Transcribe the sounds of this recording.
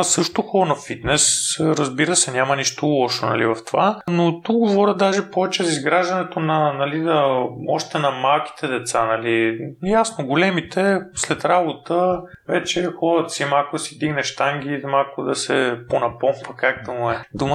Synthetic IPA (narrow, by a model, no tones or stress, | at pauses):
sɤʃt̪oxɔɾnɐfit̪nɛsɾəzbiɾəsɛnʲjamɐniʃt̪olˠɔʃonɐ̰lḭvɐft̪ovanot̪uk̚ɡovɔɾʲəd̪aʒɛpɔvɛt͡ʃɛzɐizɡɾaʒd̪ɐnɛt̪onɐnɐlid̪ɐɔʃt̪ɛnɐmalˠkʲi̥t̪ʰɛd̪ɛt̪sanɐlijasnoɡolɛmit̪ʰɛslɛt̪ɾabot̪ə | vɛt͡ʃɛxɔɾət̪simalˠkʊd̪ɐsid̪iɡnɛʃt̪aŋɡ̟ʲimalˠkʊd̪ɐsɛponɐpɔmpəkakd̪ɐmuɛd̪umə